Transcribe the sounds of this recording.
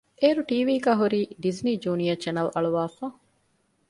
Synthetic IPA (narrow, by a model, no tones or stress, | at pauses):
eːɾuʈiːʋiːɡæːɦuɾiːɖizniːd͡ʒuːnijɐt͡ʃɐnɐlɐɭuʋaːfa